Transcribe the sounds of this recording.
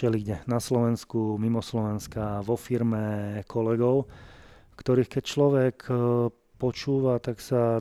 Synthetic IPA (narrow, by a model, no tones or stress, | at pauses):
t͡ʃɛliɟɛnaslɔʋɛnskumimɔslɔʋɛnskaʋɔfiɾmɛkʰɔlɛɡɔʊ | kt̪ɔɾiːxkɛc̚t͡ʃlɔʋɛkʰ | pɔt͡ʃuːʋat̪aksa